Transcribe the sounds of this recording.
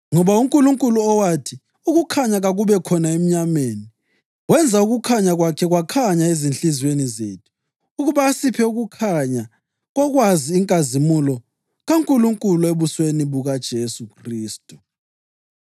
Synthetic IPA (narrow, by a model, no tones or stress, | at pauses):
ŋɔβauŋkʼuluŋkʼuluɔwatʰi | uɣukʰaɲaɣaɣuβɛkʰɔnaem̩ɲameːni | ɣwɛnd͡zʱauɣukʰaɲaɣwakʰɛɣwakʰaɲaezinɬizwenizḛtʰu̥ː | ɣuβaːsipʰɛuɣukʰaɲa | ɣɔɣwaziːŋkʼazimulɔ | ɣaŋkʼuluŋkʼulueβusweniβuɣad̥ʒ̥ʱesukʰriːstʼu̥